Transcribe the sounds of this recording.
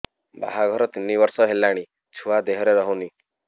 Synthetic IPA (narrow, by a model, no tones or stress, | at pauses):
ba̰ɦaɡʱɔɾɔt̪inːibɔɾsɔɦelaɽ̃i | t͡ʃʰuad̪eɦɔɾeɾɔɦɔwni